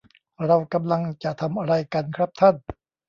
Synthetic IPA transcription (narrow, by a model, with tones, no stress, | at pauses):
ɾa˧wka˧mla˧ŋt͡ɕa˨˩t̪ʰa˧mʔa˧ɾa˧jka˧nkʰɾa˦˥p̚t̪ʰa˥˩n